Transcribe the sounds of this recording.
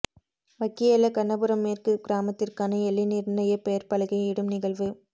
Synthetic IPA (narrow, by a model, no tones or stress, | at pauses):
ʋɐkːɪjɐlɐkɐɳɐbɯɾɐmːeːrkɯɡɪɾaːmɐt̪ːɪrkaːnɐɛlːinɪɾnɐjɐpɛjɐɾpɐlɐɣɐɪɪɽɯmnɪɣɐɭʋɯ